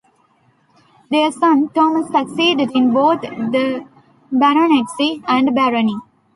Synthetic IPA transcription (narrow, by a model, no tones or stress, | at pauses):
d̪esʌ̃nʈɔːməsːəksiːɖeɖɪ̃nboːt̪ʰd̪ə | bæɾoneʈsiæ̃ɳɖbæɾoni